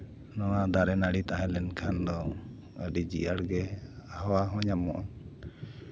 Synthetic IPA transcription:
nɔwad̪aɾɛnaɽit̪aɦɛ̃lɛnkʰand̪ɔ | əɖid͡ʒḭʔaɽɡɛaɦɔwaɦɔ̃ɲamɔʔa

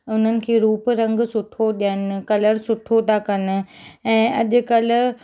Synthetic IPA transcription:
ʊn̤ənɪ̆kʰeːɾuːpɾɐ̃ŋɡsʊʈʰoɗijənkɐləɾsʊʈʰot̪ʰakɐnʊ̆ɛ̃ːɐʄʊ̆kɐlʊ̆

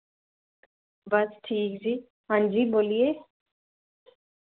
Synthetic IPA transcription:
bɐsʈʰiːk̚d͡ʒiː | ɦãːnd͡ʒiːboːlieː

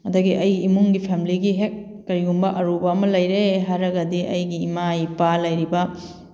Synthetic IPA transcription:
ɐdɐɡiʔɐjɡiːmuŋɡipʰemiliɡiɦek̚ː | ɐɾiɡumbɐʔɐɾubɐːmɐlɐjɾeɦaɾɐɡɐdiʔɐjɡiːmajpalɐjɾibɐ

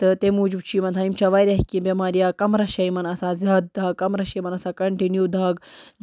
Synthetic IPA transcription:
t̪ɨt̪emuːd͡ʒubt͡ʃʰimɐnt̪ʰaːimt͡ʃaʋaːjɾɐɦkibʲɐmaːɾjakɐmɾɐʃɐjmɐnɐsazɐt̪̚d̪aːɡ̚kɐmɾɐʃɐjmɐnɐsakɐɳʈinjud̪ʱaːɡ

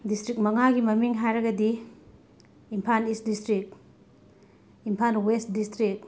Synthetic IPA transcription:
distɾik̚mɐŋaɡimɐmiŋɦajɾɐɡɐdi | mpʰanisdistɾik̚ | impʰanwestdistɾik̚

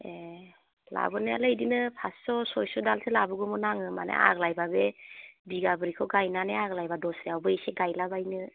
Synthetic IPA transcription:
e | la̰bɯnea̰lɯjdinɯpʰassɔsɔjsɔdalsʰelabɯɡɔmɔnaŋɯma̰nḛa̰ɡlajbabebiɡabɯɾikʰɔɡajnaneaɡlajbadɔsɾiawbɯeseɡajlabajnɯ

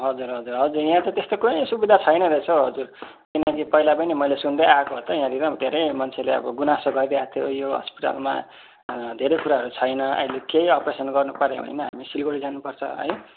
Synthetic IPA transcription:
ɦʌd͡zuɾɦʌd͡zurɦʌd͡zurjãt̪ʌt̪est̪okuisubid̪ʱat͡sʰʌjnʌɾʌt͡sʰʌɦʌd͡zur | kinʌkipʌilapʌjnemʌjlesund̪ʌjakoɦʌt̪ʌjãɾiɾʌd̪ʱeɾʌjmʌnt͡sʰeleʌ̰bʌɡunasoɡʌɾd̪eat̪ʰjojoɦʌ̰spi̥ʈa̰lma̰ | d̪ʱeɾejkuɾaɦʌɾut͡sʰʌjnʌʌ̰ilekejʌpresʌnɡʌrnupʌɾḛɦʌ̰jnʌɦa̰misilɡoɽid͡zanupʌrt͡sʰʌ̰ɦʌ̰j

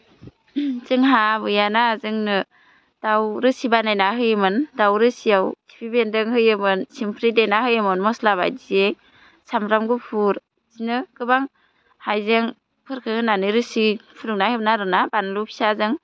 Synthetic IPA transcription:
zɯŋɦabɯjanazɯŋnɯ | d̥awɾɯsibanajnaɦɯjɯmɯndawɾɯsijawtʰi̥pʰibendɯŋhɯjɯmɯnsimpʰɾidenaɦɯjɯmɯnmɔslaβa̰jdiej | samɾamɡupʰuɾ | zinɯkɯbaŋ | hajzeŋ | pʰɯɾkʰɯhɯnanɯɾɯsipʰɯɾɯŋnaheb̚naɾɯnabanlupʰi̥sazɯŋ

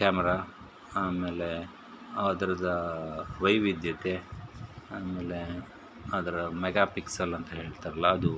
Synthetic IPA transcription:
kaːmɛɾaː | aːme̞ːle | aːd̪ɐɾɐd̪ɐʋɐjʋid̪jɐt̪e | aːmeːle | aːd̪ɐɾɐmɛɡaːpiksɐlɐnt̪ɐɦe̞ːɭt̪ɐɾɐlːɐːd̪u

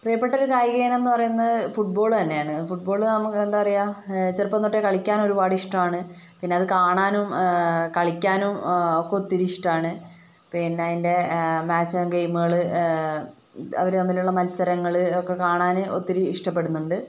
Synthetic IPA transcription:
prijɐpːe̞ʈːɐo̞ɾukaːjɡeːnenːɨpɐrɐjunːɐðɨfuʈ̚bo̞ːɭt̪ɐnːe̞jaːɳɨfuʈ̚bo̞ːɭnɐmːukːend̪aːɐrɐjat͡ɕerpːɐnoʈːekɐɭikʲːaːno̞ɾubaːɽɨiʂʈɐmaːɳɨ | pinːeɐðɨkaːɳaːnumkɐɭikʲːaːnumokːe̞ot̪ːiɾiiʂʈaːɳɨ | pinːinde̞maːt͡ɕːɐɡejmuɣɐɭɨ | ɐ̰ʋɐɾunɐmːiluɭːɐmɐlsɐɾɐŋːɐɭɨokːe̞kaːɳaːnɨot̪ːiɾiiʂʈɐpːe̞ɽunːuɳɖɨ

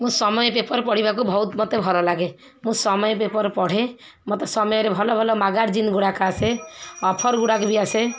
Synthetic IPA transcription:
mũsɔmɔjpepɔɾpɔɽ̤ibak̬ubʱɔut̪mɔt̪ebʱɔɾɔlaɡe | mũsɔmɔjpepɔɾpɔɽ̤ẽ | mot̪esɔmɔjɔɾebʱɔlɔbʱɔlɔmaɡaɾd͡ʒinɡuɽakaseɔpʰɔɾɡuɽakbiase

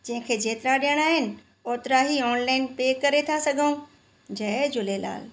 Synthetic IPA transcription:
d͡ʑɐ̃ɦɪ̃kʰeːd͡ʑeːt̪ɪɾaɗijəɽ̃aːɦɪnɪ̆ | oːt̪ɾaɦiɔːnlaːɪnpeːkɐɾet̪ʰasɐɡʱə̃ũ | d͡ʑɐd͡ʑʊlela̰ːl

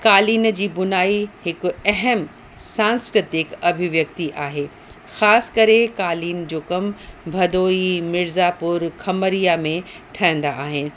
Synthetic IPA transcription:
kaːliːnd͡ʑiːbʊnaːihɪkɛɦəm | sãːnskɾɪt̪ɪkɐbʱɪʋjɐk̚t̪iʔaːɦeː | xaːsɪ̥kɐɾekaːliːnd͡ʑoːkɐmbʱɐd̪oːimɪɾzapʊɾkʰɐməɾijamẽ | ʈʰɐɪ̃n̆d̪aʔaːɦɪnɪ̆

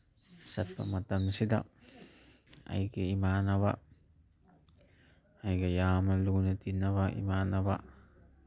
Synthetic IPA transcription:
sat̪̚pa̰mat̪amsida̰ | a̰jkeimanaβa̰ | ajɡajaːmalunat̪inaβaʔḭmanaβa̰

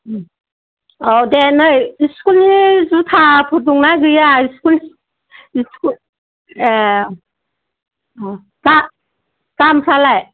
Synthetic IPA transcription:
awdenɯjiskulnizutʰapʰut̬uŋnaɡɯjaiskuli | iskul | ka | kampʰalaj

